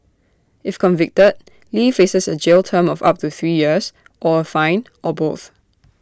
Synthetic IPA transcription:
ɪfkʰɔ̃nvɪk̚təd̚ | liːfesəsəd͡ʒeltʰəmɔfa̰p̚tuθɹiːjiəs | ʔɔəfãɪ̃n | ʔɔboθ

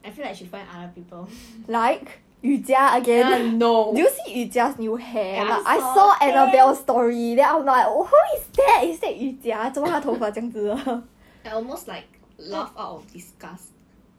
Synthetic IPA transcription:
ʔaɪfĩlaɪʃudfãɪ̃nadəpipəllaɪk | judiaəɡɛ̃nnodujusiud͡ʒiasnjuhɛbatʔajsɔʔɛnəbɛlstɔɹidɛãɪ̃mnɔlahuisdɛtisdɛʔjudiatowaatʰɔbatɛ̃ŋtudə | ãɔlmostlaɪk̚ | lafatɔdiskast

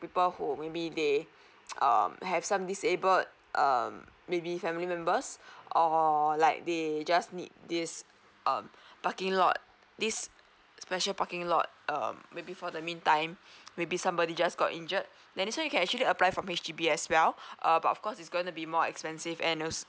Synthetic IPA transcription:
pipəlhumebide | ʔʌ̰mhɛv̥sãmdisebəlt̚ | ʔʌ̰mːebifɛmilimɛ̃mbəsʔɔlaɪk̚ded͡ʒasnḭt̚dis | ʔʌ̰̃mpakɪ̃ŋlɔ̰t̚ | disː | pɛʃəlpakɪ̃ŋlɔ̰t̚ʌ̰mːebifɔdəmĩntãɪ̃mːebisãmbɔdid͡ʒasɡɔ̰tĩnd͡ʒət̚ | dɛ̃niswãɛ̃jukʰɛ̃nɛk̚t͡ʃuəliəplajfɹɔ̃met͡ʃdibiɛswɛlʔʌbat̚ɔfkɔsitsɡõĩŋtubimɔɛ̰kspɛ̃nsivɛ̃nɔs

